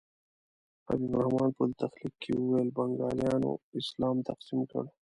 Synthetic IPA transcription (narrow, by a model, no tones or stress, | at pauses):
ɐ̰bibɾɐhmaːnpult̪ɐxlikʰːiuwelbɐŋɡaːljaːno̰islaːmt̪ɐqsimkɐ̰ɽo